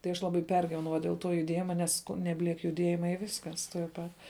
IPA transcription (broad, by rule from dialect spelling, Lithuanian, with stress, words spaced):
tɐɪ ˈɐʃ ˈlˠɑːbɐɪ ˈpʲɛrʲɡʲiːʋʲɛnɐʊ ʋɐ dʲeːlˠ ˈtoː jʊˈdʲeːjɪmɐ ˈnʲɛs nʲɛbʲˈlʲiɛk jʊˈdʲiɛjɪmɐ ɪ ˈʋʲɪskɐs tuɔj ˈpɐt